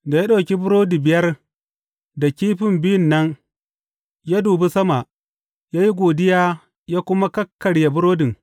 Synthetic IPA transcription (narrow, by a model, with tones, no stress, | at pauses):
da˨ja˦ɗa˨wkʲi˦bʊ˦ɾoː˦di˨bɪ˨jɐ˦r | da˨kʲiː˦ɸɪ˨mbɪ˦ɪ˦˨nːɐ˦ŋ | ja˦duː˨be˦sɐ˦ma˨ʔ | jaː˦ji˦ɡʷoː˨dɪ˦jaː˦ | jaː˦kʷʊ˦ma˦kɐ˦kːɐ˨ɽja˨bʊ˦ɾoː˦dɪ˨ŋ